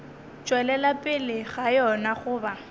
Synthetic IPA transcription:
t͡ʃʼwɛlɛlapʼɪlɪɣajɔnaχʊːba

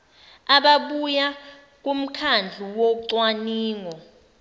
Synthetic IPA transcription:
aɓaɓuja | k̬ʼum̩kʰand͡ɮʱuwoǀwaniːŋɔ

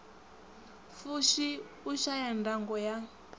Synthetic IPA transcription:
fuʃi | uʃajandaŋɡɔja

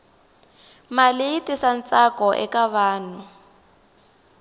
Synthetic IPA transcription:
malɪitɪsan̩t͡sakɔʔɛ̰kaβaːnʊ

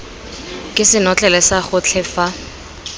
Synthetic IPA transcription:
kʼɪsɪnɔt͡ɬʼɛlɛsaχʊt͡ɬʰɛfa

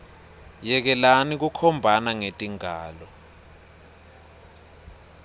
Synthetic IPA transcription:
jɛk̬ɛlanik̬ukʰɔmbʱanaŋetʼiŋaːlɔ

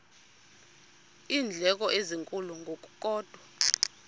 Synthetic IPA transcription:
iːnd͡ɮʱɛk̬ɔʔeziŋkʼuluŋɡʱok̬ʼu̥k̬ʼɔːd̥ʱwa

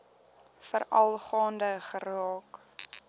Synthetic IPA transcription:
fəɾɐlˠχɑːndəχəɾɑːk

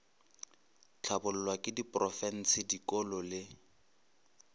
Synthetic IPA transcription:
t͡ɬʰabʊl̩lwakʼɪdipʼrɔfɛn̩sɪdikɔlɔlɪ

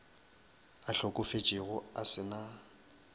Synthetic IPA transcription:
aɬokʼʊfet͡ʃʼɪɣʊasɪna

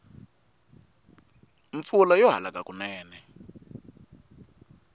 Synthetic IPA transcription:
ɱfulajɔɦa̰lakakʼunɛːnɛ

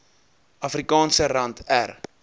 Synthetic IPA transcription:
ɐfrikɑːnsəɾɐntʰær

